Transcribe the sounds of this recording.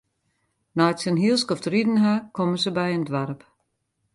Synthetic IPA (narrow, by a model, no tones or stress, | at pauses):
nɔjtsənɦiəlˠskɔfdridən̩ɦakʰɔməsəbɛjəndʋarp